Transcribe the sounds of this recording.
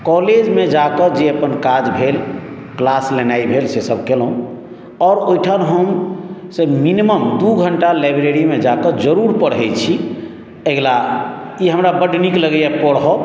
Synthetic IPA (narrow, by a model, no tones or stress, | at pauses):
kɔled͡ʒmed͡ʒakəd͡ʒeəpənkad͡ʒbʱel | klaslenaibʱelsesəb̚ʱkelɦũ | ɔɾojʈʰanɦəmseminiməmd̪uɡʱəɳʈalabɾeɾimed͡ʒakəd͡ʒəɾuɾpəɽɦɛjt͡ʃʰi | eɡla | iɦəmɾabəɖnikləɡjapəɽɦɔ